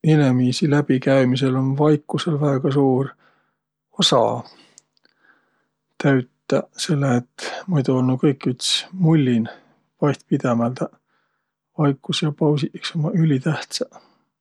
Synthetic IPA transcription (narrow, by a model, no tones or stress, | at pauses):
enemiːsilæb̥ikæjmise̞lo̞nvɑjkːˑuse̞lvæeɡ̥ɑsuːr | osɑ̰ | t̪æɥt̪ːˑɑse̞lːeet̪ːmujd̪uolnu̥kɤjkːyt̪smulʲːin | vɑjt̪̚pid̪̥emælt̪æ | vɑjkːˑusjɑpɑws̬iʔksomɑʔylʲit̪æht̪sɑ